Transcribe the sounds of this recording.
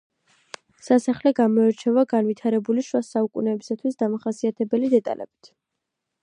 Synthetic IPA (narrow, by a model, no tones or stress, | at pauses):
sasaχlɛɡamɔɛɾt͡ʃʰɛvaɡanvit̪ʰaɾɛbuliʃwasaukʼṵnɛːbisat̪ʰwisd̪amaχasiat̪ʰɛbɛlid̪ɛt̪ʼa̰lʔɛ̰b̥i̥t̪ʰ